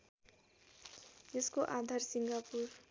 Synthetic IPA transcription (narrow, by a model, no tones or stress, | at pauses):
jeskoʔad̪ʱarsiŋɡapur